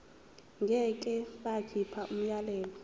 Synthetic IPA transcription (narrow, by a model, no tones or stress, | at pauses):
ŋɡʱɛkʼɛɓakʰipʰaʔum̩jalɛːlɔ